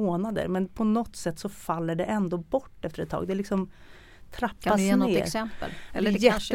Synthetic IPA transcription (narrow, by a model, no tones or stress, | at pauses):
oːnad̪ə̰ɾmɛnpʰɔnɔt̪ːsɛt̪ːsɔfalːəɖɛʔɛnd̪oːbɔʈːɛft̪əɾɛt̪ʰːɑ̰ːɡd̪ɛælɪksɔm | t̪ʰɾapːasneːɾɛm̰ljɛt̪ː